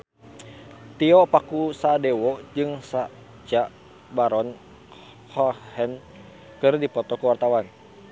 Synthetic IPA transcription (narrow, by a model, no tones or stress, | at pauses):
t̪iɔpakusadɛwɔd͡ʒɨŋsa | t͡ʃaʔ | baɾɔn | hɔhɛn | kɨrdipɔt̪ɔkəwart̪awan